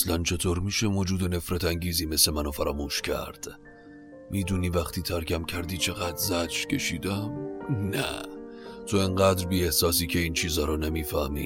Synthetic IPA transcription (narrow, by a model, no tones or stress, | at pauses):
slænt͡ʃʰe̞t̪ʰoːɾmiːʃe̞moːd͡ʒuːd̪e̞ne̞fɾæt̪ʰæŋɟiːziːme̞semænofæɾɒːmuːʃcʰæ̰ɾd̪̥ | miːd̪uːniːvæxt̪ʰiːt̪ʰæɾcʰæmcʰæɾd̪iːt͡ʃʰe̞ɣæd̪zæd͡ʒcʰe̞ʃiːd̪æmnæ̰ | t̪ʰo̞eŋɢæːd̪ɾbiːehsɒːsiːcʰe̞iːnt͡ʃʰiːzɒːɾɒnemiːfæhmḭː